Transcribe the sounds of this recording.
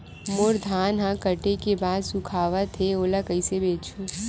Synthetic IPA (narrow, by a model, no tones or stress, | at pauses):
moɾd̪ʱaːnɦãkəʈekebaːd̪sʊkʰaːʋat̪ʰeoːlakəisebeːt͡ʃʰo